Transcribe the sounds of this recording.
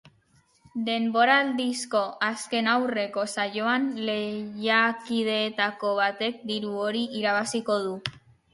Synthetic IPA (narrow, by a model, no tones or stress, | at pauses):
d̪e̞mbo̞ɾald̪isko̞ʔaske̞nawre̞ko̞saʝo̞anle̞ʝakið̞e̞ːt̪ako̞β̞at̪e̞k̚d̪iɾuo̞ɾiʔiɾaβasiko̞ð̞u